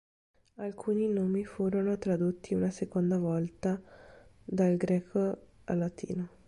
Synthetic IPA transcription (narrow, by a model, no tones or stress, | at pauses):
alkʰuːninoːmifuːɾonot̪ɾad̪ut̪ːiunasekond̪avɔlt̪a | d̪alɡɾɛːkʰoa̰lːat̪ʰḭːno